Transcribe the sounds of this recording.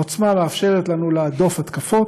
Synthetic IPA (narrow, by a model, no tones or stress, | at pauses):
ot͡smameafʃe̞ʁetlanulead̪o̞fat̪kafo̞t